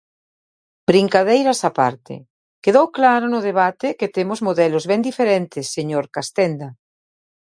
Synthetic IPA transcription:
b̥ɾiŋkaðejɾasapa̰ɾt̪ḛ | keðowklaɾonʊð̞eβ̞at̪eket̪emozmoðɛlozβɛnd̪ifeɾɛnt̪esːeɲoɾkast̪ɛnd̪a

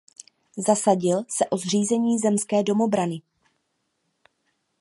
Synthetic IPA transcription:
zasaɟɪlsɛʔo̞zr̝iːzɛɲiːzɛmskɛːdo̞mo̞bɾanɪ

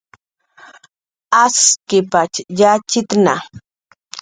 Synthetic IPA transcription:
askɪpat͡ʃjat͡ʃɪt̪na̰

